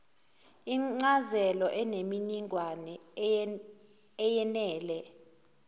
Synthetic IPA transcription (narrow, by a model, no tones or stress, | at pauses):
iŋ͡ǀazɛlɔʔɛneminiŋwanɛ | jɛnɛːlɛ